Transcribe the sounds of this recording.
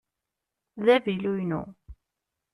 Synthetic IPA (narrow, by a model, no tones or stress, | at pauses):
ðævilujnṵ